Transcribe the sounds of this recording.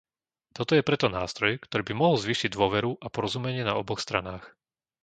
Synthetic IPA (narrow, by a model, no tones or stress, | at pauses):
t̪ɔt̪ɔjɛpɾɛt̪ɔnaːst̪ɾɔjkt̪ɔɾiːbimɔɦl̩ˠzʋiːʃiɟd̪ʊɔʋɛɾuʔapɔɾɔzumɛɲɪɛnaɔbɔxst̪ɾa̰naːx